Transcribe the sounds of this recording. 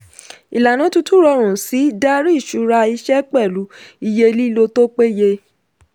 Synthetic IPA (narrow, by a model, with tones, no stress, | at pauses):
i˨la˨nã˨˦tu˦tu˦ɾɔ˧ɾ̃ũ˨si˨˦da˦ɾi˦˨ʃu˨˧˦ɾa˧i˧ʃɛ˦k͡pɛ˦˨lu˨˦i˧je˧li˦lo˧to˦k͡pe˦je˧